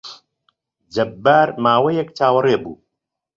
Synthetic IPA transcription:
d͡ʒɐbːaːɾmaːwɐjɛk̚t͡ʃʰaːwɐreːbṵː

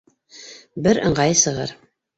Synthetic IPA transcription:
bɘɾɤ̆ɴɢɑjsɤ̆ʁɤ̰ɾ

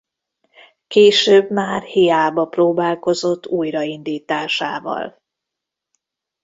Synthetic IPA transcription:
keːʃøːbmaːrhijaːbɒproːbaːlko̞zo̞t̪ːuːjrɒind̪iːt̪aːʃa̰ːvɒ̰l

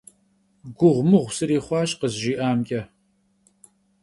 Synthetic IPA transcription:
ɡʷʊʁʷmɨʁʷsɨɾiːχʷɑːʃʼqəzʒiːʔaːmkʲʼɐ

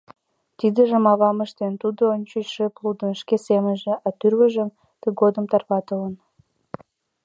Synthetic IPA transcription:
t̪id̪əʒəmɑβɑməʃt̪ent̪ud̪oonʲt͡ɕoʃeplud̪ə̆nʃkesemənʒĕʔɑt̪yrβəʒəm | t̪əɡod̪əmt̪ɑrpɑt̪ələn

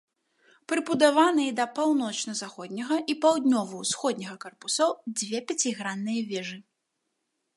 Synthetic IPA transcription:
pɾɨbud̪avanɨjɐd̪ɐpawnɔt͡ʂnɐzaxɔd̪ʲnʲɐɣɐʔipawd̪ʲnʲɔvɐwsxɔd̪ʲnʲɐɣɐkarpusɔwd͡zʲvʲɛpʲat͡sʲiɣɾanːɨjɐvʲɛʐɨ

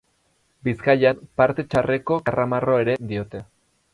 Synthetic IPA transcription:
biskaʎampaɾt̪e̞t͡ʃare̞ko̞karʔamaro̞e̞ɾe̞d̪io̞t̪e̞

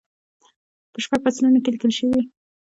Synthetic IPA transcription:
pəʃpaɡ̚pasalunokelikəlʃəwi

